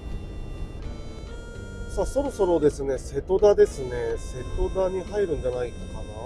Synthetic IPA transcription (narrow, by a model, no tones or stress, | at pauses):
saso̞ɾo̞so̞ɾo̞d̪e̞sɨne̞se̞t̪o̞d̪ad̪e̞sɨne̞se̞t̪o̞d̪aɲ̟iɦaiɾɯ̟̃ɲ̟d͡ʑanainokana